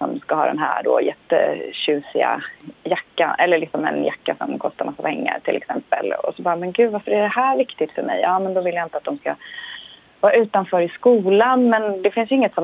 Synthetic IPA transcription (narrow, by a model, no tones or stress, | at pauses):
sɔmskahɑːd̪ɛ̰nɦæ̰ːɖoːjɛt̪ːə̰ɕʉ̟ːsɪa̰jakːanɛlːəɭɪksɔmɛ̰njakːasɔ̰mkʰɔst̪aɾmasːapʰɛŋːa̰ɾʈ̪ʰɪlɛ̰ksɛmpə̰lɔ̰sɔbɑːɾamɛnɡʉ̟ːvaɾfœɾæɖɛhæːɾvɪkt̪ɪt̪fœɾmɛ̰jʔɑːmɛnd̪ɔvɪljaɪnt̪əat̪d̪ɔmska | vɑːɾaʉ̟ːt̪anfœːɾɪskuːlanmɛnd̪ɛfɪnsjɵɪŋːət̪sɔ